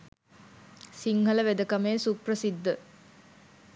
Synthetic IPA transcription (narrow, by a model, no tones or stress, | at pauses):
siŋɦɐləʋed̪əkɐmeːsuprəsid̪ːə